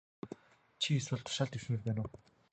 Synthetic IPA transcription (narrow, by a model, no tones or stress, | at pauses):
t͡ɕʰieswɘ̆ɮt̪ʰʊ̥ʃaːɮt̪iwsɘ̆ŋirpæːnʊː